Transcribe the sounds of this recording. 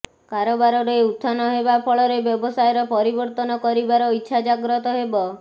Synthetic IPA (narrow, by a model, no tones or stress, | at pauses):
kaɾobaɾɔɾeut̪ʰːanɔɦebapʰɔɭɔɾebjɔbɔsajɔɾɔpɔɾibɔɾt̪ɔnɔkɔɾibaɾɔitːʃʰad͡ʒaɡɾɔt̪ɔɦebɔ